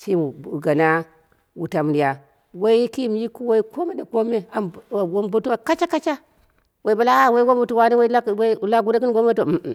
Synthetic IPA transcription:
t͡ʃi˦˨ɡa˨na˦ | wu˨ta˨m˨ni˨ja˨ | wa˦i˦ki˦˨m˨ji˦ku˦wo˦i˦ko˦me˦da˨ko˦me˦a˨m˨wo˦mbu˦tu˦ma˨ka˦t͡ʃa˦ka˦t͡ʃa˦ | we˨i˨ba˨la˦wa˦i˦wo˦mbu˨tu˦wa˦ni˦wa˦i˦la˦wla˦ɡu˦da˦k̬i˦n˦ɡo˦m˦e˦to˨m̩˨

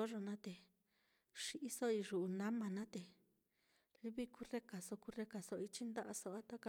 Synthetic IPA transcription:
o˦ʐo˧nã˦t̪e˨ | ʂi˧ʔi˦so˦i˧ʒu˨ʔu˨nã˦mã˨nã˦t̪e˨ | li˦βi˦ku˧˦re˦ka˨so˧ku˧re˧ka˨so˧ʔi˧t͡ʃi˦nd̪a˦ʔa˧so˧ʔa˦t̪a˦ka˧

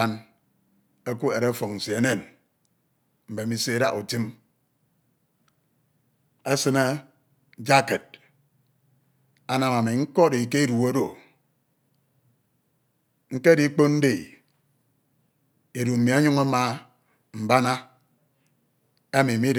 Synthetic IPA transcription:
a˦n | e˦ku˦e˨ɾe˦fɔ˨ŋn̩˨si˨e˦ne˨n | m̩˨be˨mi˨se˦e˦da̰˦ku˨ti˦m | a˦sɨ˦na˦ | d͡ʒa˦ke˨d̚ | a˨na˨ma˨mi˨ŋ̩˦kɔ˦ɾi˨ke˦e˦ɾu˨e˦do˨ | ŋ̩˦ke˦di˦k͡po˦n̩˦di˨ | e˨ɾu˨m̩˨mi˨a˦ɲu˦ŋa˦ma˨ | m̩˨ba˦na˦ | e˦mi˨mi˦

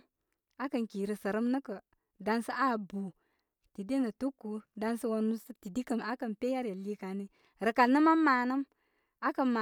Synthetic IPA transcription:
a˦kə˨nki˨ɾə˨sə˨ɾə˦mnə˦kə˨ | da˦nsə˦ʔa˦˨bu˨ | ti˨di˦nə˨tu˦kːu˨da˦nsə˦wo˨nu˦sə˦ti˨di˦kə˨ma˦kə˨npe˦ja˦ɾja˨li˦ka˨ni˦ | ɾə˨ka˨nə˦maː˦aː˨nə˦m | a˦kə˨mma˨

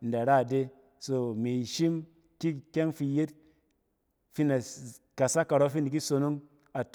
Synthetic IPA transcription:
n̩˨da˨ɾa˦˨de˦ | so˦me˨i˨ʃi˦m | ki˦kʲɛ˦ŋfi˧je˦t̚ | fi˦na˨ | ka˨sa˦ka˨ɾɔ˦fi˦ni˨k̬i˦so˧no˦ŋ | a˨t

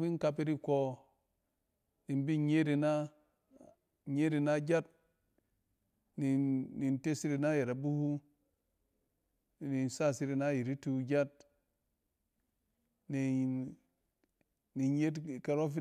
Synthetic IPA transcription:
mi˦n˦ka˧p̬i˦ɾi˦ko˦ | ni˨nbi˦ɲe˦ɾi˨na˦ | ɲe˦ɾi˨na˦d͡ʒa˦t̚ | ni˨ni˨nte˦si˦ɾi˧˦na˦je˨ɾa˨bu˦hu˦˨ | ni˨nsa˦˨si˦ɾi˧na˦ji˨ɾi˦tu˧˦d͡ʒa˦t̚ | ni˨ | ni˨ɲje˦tka˨ɾo˦fi˦

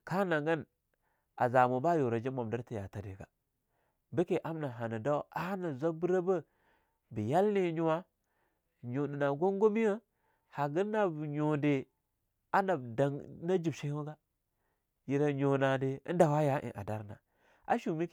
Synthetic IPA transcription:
ka˦na˨ŋɡa˦n | a̰˨za˨mo˨ba˦jo˨ɾa˨d͡ʒi˦ma˨mda˦ɾti˦ja̰˨ta˨dḛ˨ɡa̰˨ | bə˦ke˨ʔa˦mna˨ɦa˨na˨da˦wa˦na˨zʷa˦bu˦ɾa˦bə˦ | bi˨ja˦lne˨˦ɲu˦wa˦ | ɲo˨ndi˨na˨ɡo˦ŋɡo˦mi˦ja˦ | ha˨ɡə˦nːa˨bɲo˨nde˨ | a˦na˨bda˨ŋna˦d͡ʒi˨bʃe˦o˦ɡa˦ | ji˨ɾa˨ɲo˨na˨de˨ə̰˦nda˨wa˦ja˦ʔḛ˨ʔa̰˨da˦ɾna̰˨ | a̰˦ʃu˨mi˦˨

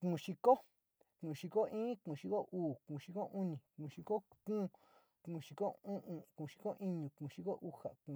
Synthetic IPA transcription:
kũ˧˨ʃi˧ko˦ | kũ˧˨˧ʃi˧ko˦ĩː˦kũ˧˨ʃi˧ko˦ʔuː˨kũ˧˨ʃi˧ko˦ʔũ˦nĩ˨kũ˧˨ʃi˧ko˦kũ˦˧ | kũ˧˨ʃi˧ko˦ũ˦ʔũ˧kũ˧˨ʃi̥˧ko˦ʔĩ˦ɲũ˨kũ˨ʃi˧ko˦ʔu˦ha̰˨kũ˧

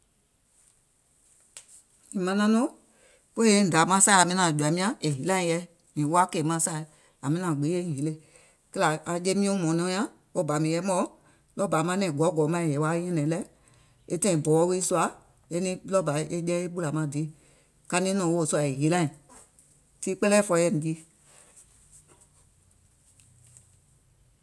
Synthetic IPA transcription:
ĩ˨mã˧˦nã˧˦nɔ̃˦ | po˦e˦n̩˨da˨˦mã˦saː˦˨a˨mĩ˧nã˨d͡ʒu˨a˨˦mĩ˦ã˦e˨ɦi˨lã˦ĩ˧jɛ˧˦ | nĩ˨˦wa˦ke˧˨mã˧˦sa˦˨˦ | a˨mĩ˧nã˨ɡ͡be˨˦e˦˨ĩ˨˦le˦ | kə˦la˨a˧je˦mĩ˦õ˦mɔ̃˨˦nɔ̃˧˦jã˦ | wo˦ba˨˦mĩ˨˧jɛ˧˦mɔ̃˨˦ | lɔ˦ba˨˦mã˧˦nɛ̃˨ɡɔ˨˦ɡɔ˨˦mã˦ĩ˨jɛ˨˦wa˦ɛ̃˦nɛ̃˨˦lɛ˦ | e˦tɛ̃˦˧ĩ˨bɔ˨˦wi˦su˦a˨˦ | e˦nĩ˧˦lɔ˦ba˨˦ʔe˦d͡ʒɛ̃˦e˦ɓu˦la˨mã˨˦di˨˦ | ka˧nĩ˦nɔ̃˨wo˦˨su˧a˧˨e˨ɦi˨˦lã˦ĩ˨ | tiː˦k͡pɛ˦lɛː˦fɔ˧˦jɛ˧˨nĩ˨ki˦

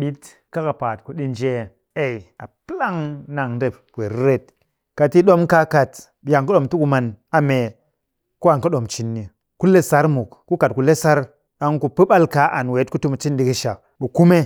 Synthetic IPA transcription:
ɓi˦t | ka˦ka˨pa˨tku˨ɗi˦nd͡ʒe˦ | e˦˨ja˨pi˦la˦ŋna˨ŋde˦˨p | we˨ɾɾe˦t̚ | ka˨ti˦ɗo˦mka˦ka˨t | ɓi˨ja˨ŋku˦ɗo˨mtu˦ku˦ma˨na˨me˨ | ku˦a˨ku˦ɗo˨mt͡ʃi˦nːi˨ | ku˦le˦sa˦ɾmu˨kku˦ka˨t̚ku˨le˦sa˦ɾ | ɗa˨ŋku˨pɨ˦ɓa˦lka˨˦ʔa˨nwe˨˦t̚ku˦tu˦m˨t͡ʃi˦ndi˨ki˦ʃa˨ | ɓu˨ku˦me˦

